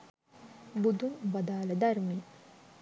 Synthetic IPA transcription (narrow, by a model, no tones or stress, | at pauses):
bud̪umbɐd̪aːlɐd̪ɐɾmi